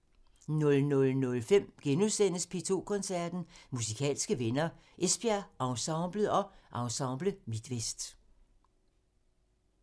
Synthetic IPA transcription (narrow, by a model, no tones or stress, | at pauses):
nɔ̽lnɔ̽lnɔ̽lfem̰ɡ̥enusen̰əspʰe̝t͡sʰo̝̰ːkʰɔ̽nsæɐ̰d̥n̩musikʰɛ̰ːlsɡ̥əʋenɐ | ʔesb̥æɐʔɑ̈ʊsɑ̈ʊb̥ləð̩ˠɒ̽ʔɑ̈ʊsɑ̈ʊb̥ləmid̥ʋesd̥